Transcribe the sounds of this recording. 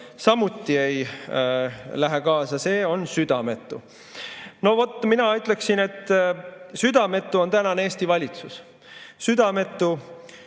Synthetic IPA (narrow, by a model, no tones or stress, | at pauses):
sɑmut̪ːie̞j | læɦekɑːsɑse̞ːo̞nsyd̪̥ɑme̞t̪ːˑu | no̞vo̞t̪ːˑminɑyt̪ˑle̞ksine̞t̪ːˑsyd̪ɑme̞t̪ˑːuo̞nt̪ænɑneeːst̪ivɑlʲit̪sus | syd̪ɑme̞t̪ˑːu